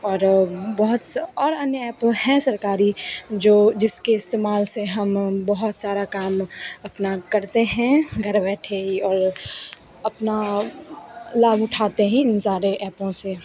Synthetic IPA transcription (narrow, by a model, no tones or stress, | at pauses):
ɔːɾbɔɦʊt̪sɔːɾɐnjəɛːpõɦɛ̃sɐɾkaːɾid͡ʒoːd͡ʒɪskeɪst̪eːmaːlseɦɐmbɐɦʊt̪saːɾakaːmɐpnakɐɾt̪eɦɛ̃ɡʱɐɾbɛːʈʰeiɔːɾ | ɐpna | laːbʊʈʰaːt̪eɦɛ̃ɪnsaːɾeʔɛːpõse